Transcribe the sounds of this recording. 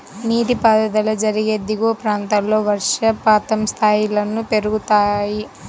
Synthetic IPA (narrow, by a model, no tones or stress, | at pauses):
niːd̪ipaːd̪ɐd̪ɐlɐd͡ʒɐɾiɡeːd̪iɡoːpɾaːnt̪allo̞ːʋɐɾʂɐpaːt̪ɐmst̪ʰaːjilɐnupe̞ɾuɡut̪aːji